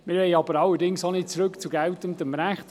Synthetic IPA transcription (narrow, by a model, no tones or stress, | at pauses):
mɪɾʋɛɪɑbəɾɑlːəɾdɪŋsonɪt̚t͡sɾɵkt͡suɡɛltəmdəmɾæχt